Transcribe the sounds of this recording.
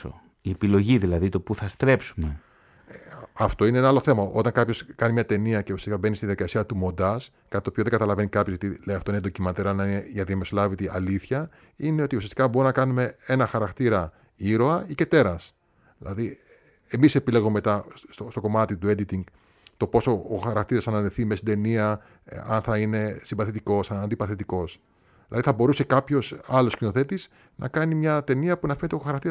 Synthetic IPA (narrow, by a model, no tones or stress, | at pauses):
o̰ | iepilo̞ʝiðilɐðit̪o̞puθɐst̪ɾe̞psume | ɐft̪o̞ineenɐɐlo̞θe̞mɐʔo̞t̪ɐŋkɐpço̞skɐnimɲɐt̪e̞niɐceusiɐsikɐbe̞nist̪iðjɐðikɐsiɐt̪umo̞nd̪ɐs | kɐt̪it̪opio̞ðeɡɐt̪ɐlɐve̞nikɐpçoɣot̪ilejɐft̪oined̪o̞cimɐt̪eɾɐnɐineʝɐðiɐmesolɐvit̪iʔɐliθçɐ | ineo̞t̪iusiɐst̪ikɐbo̞ɾunɐkɐnume̞e̞nɐxɐɾɐkt̪iɾɐ | iɾo̞ɐice̞t̪e̞ɾɐs | ðilɐ̰ði | e̞mise̞pile̞ɣomemet̪ɐst̪ost̪o̞ko̞mɐt̪it̪ue̞d̪it̪iŋɡ | t̪o̞po̞soːxɐɾɐkt̪iɾɐsɐnɐnðeθimest̪id̪e̞niɐ | ɐ̰nθɐine̞simbɐθet̪iko̞sɐnɐnd̪ipɐθet̪iko̞s | ðilɐðiθɐbo̞ɾuse̞kɐpço̞sɐlo̞scino̞θe̞t̪is | nʔɐ̰kɐnimɲɐt̪e̞niɐpunɐfenet̪oxɐɾɐk̚t̪iɾ